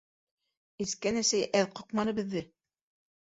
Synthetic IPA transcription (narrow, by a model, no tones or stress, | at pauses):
ɘ̆skænæsæjʔæðqŏqmɑnɤ̆bɘ̆ðːɘ